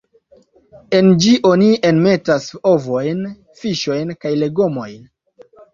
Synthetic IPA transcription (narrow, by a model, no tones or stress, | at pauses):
e̞nd͡ʒiʔonienme̞taso̞vojn | fiʃo̞jnkajle̞ɡomo̞jn